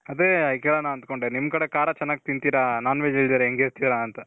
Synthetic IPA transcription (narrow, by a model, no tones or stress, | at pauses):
ɐd̪eːɐkeːɭɐnːaɐnd̪koɳɖeːnimːkɐɽekaːɾat͡ʃɛnːaːɡit̪int̪iːɾanaːnʋed͡ʒeɭid̪iːɾeeŋɡeɾt̪iːɾaɐnt̪ɐ